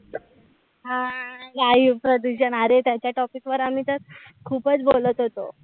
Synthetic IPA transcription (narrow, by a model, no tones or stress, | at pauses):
ɦãɡaipɾod̪uɕənəɾet̪jat͡ɕjaʈɔpikʋəɾam̤iːt̪əɾkʰuːpət͡sbolət̪ɦot̪o̰